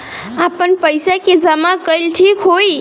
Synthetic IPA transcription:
apənpəjsaked͡ʒəmakəjlʈʰikɦoj

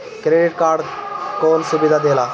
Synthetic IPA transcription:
kɾeɖiʈkaːɾɖkoːnsubid̪ʱad̪elaː

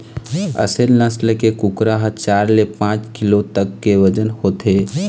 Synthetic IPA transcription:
ə̰selnəsləkekukɾaɦt͡ʃaːɾlepãːt͡ʃkɪlot̪əkːeʋəd͡ʒənhoːt̪e

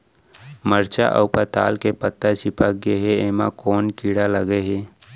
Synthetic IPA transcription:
məɾt͡ʃa̰ʔə̰wpət̪a̰ːlkepət̪ːat͡ʃipakɡeɦeeːmakɔːnkiːɽaləɡeɦeː

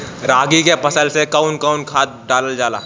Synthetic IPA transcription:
ɾaːɡikepəsəlsekəʊnkəʊnkʰaːt̪̚ɖaːləld͡ʒaːla̰ː

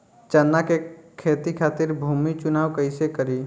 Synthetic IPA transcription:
t͡ʃənːakekʰeːt̪ikʰaːt̪ɪɾbʱuːmit͡ʃʊnaːwkəɪsekəɾiː

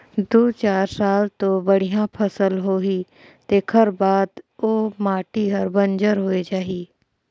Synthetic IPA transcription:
d̪oːt͡ʃaːɾsaːlt̪obəɽ̤ijãpʰəsəlɦoɦi | t̪eːkʰəɾbaːd̪oːmaːʈiɦəɾbə̃nd͡ʒəɾɦoed͡ʒaːɦiː

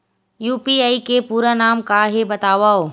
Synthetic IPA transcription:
juːpiaːikepuːɾanaːmkaːɦebɐt̪aːʋaːoː

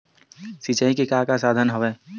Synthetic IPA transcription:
sit͡ʃəĩkekakasaːd̪ʱənɦəʋɛː

